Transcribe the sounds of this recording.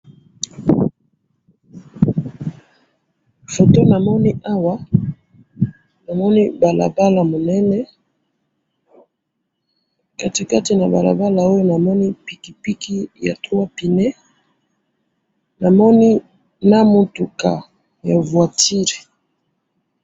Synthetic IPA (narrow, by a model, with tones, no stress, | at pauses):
fo˨to˦na˨mɔ˦ni˦ʔa˦wa˦ | na˨mɔ˦ni˦ba˨la̰˨ba˦la˨mo˨nɛ˦nɛ˦ | ka˦ti˨ka˦ti˨na˨ba̰˨la̰˨ba˦la˨o˦jo˦na˨mɔ˦ni˦pi˨ki˨pi˦kʰi˦ja̰˨tu˦wa˦pi˨nɛ˦ | na˨mɔ˦ni˦ | na˦mo˨tu˨ka̰˨ | ja̰˨vwa˨tʰi˦ʁi˨